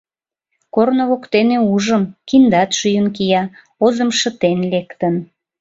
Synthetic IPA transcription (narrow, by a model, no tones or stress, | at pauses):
kornoβokt̪eneuʒəmkind̪ɑt̪ʃyjənkijɑ | ozəmʃə̆t̪enlekt̪ən